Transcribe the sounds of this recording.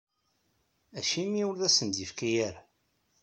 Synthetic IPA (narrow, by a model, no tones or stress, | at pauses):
æʃimiwlðæsənd̪ifkæjæɾ